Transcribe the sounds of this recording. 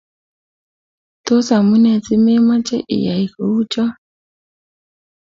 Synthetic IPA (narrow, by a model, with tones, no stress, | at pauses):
to˦sa˨mu˦nɛ˨t͡si˦me˦ma˦t͡ʃɛ˦ʔḭ˨ja˨i˨ko˨wu˦t͡ʃɔ˦